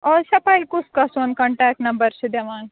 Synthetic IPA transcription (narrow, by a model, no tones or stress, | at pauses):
ɔːɾsɐpajlkʊskasoːnkɐɳʈɛːk̚nɐ̃mbəɾt͡ʃʰid̪eʋaːn